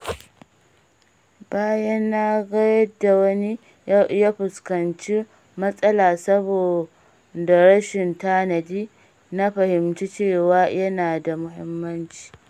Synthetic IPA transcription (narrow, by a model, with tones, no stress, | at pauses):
baː˦jɐ˦nːa˦ɡɐ˦jɐ˦dːa˨wɐ˦ni˦ | jaː˦ɸʊ˨skɐ˨nt͡ʃi˦ | mɐ˦sʼɐ˦laː˨sɐ˦boː˨ | da˨ɽɐ˦ʃɪ˨ntaː˦nɐ˨diː˦ | na˦ɸɐ˨hɪ˨mt͡ʃi˦t͡ʃeː˦˨waː˦jɐ˦naː˨da˨mʊ˦ɦɪ˦mːɐ˦nt͡ʃi̥ː˨